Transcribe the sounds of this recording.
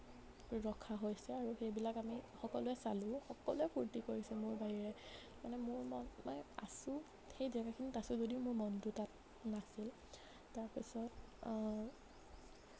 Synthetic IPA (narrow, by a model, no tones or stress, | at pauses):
ɹɔkʰaɦojsɛaɹuxejbilakamixɔkɔlʊɛsalʊ̃xɔkɔlɛpʰuɹtikoɹisɛmʊɹbaɦiɹɛ | manɛmʊɹmɔnmanɛa̰sʊ | xejdiakakʰinitasʊzodiʊmʊɹmɔntʊtat̚ | nasil | taɹpisɔt